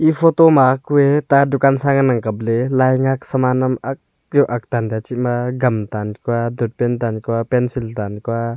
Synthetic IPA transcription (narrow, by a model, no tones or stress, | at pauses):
ʔifʰɔt̪ɔmakuet̪adukansaŋanɐŋkɐblɛlajŋak̚sɐmanɐmɐk̚ | zɔʔɐk̚t̪andat͡ʃimaɡɐmt̪ankuadut̪̚pɛnt̪̬ankuapɛnsiltankua